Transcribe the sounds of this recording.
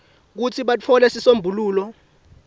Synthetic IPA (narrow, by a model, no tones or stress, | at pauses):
k̬ut͡sʰiɓat͡fʰɔlɛsisombʱuluːlɔ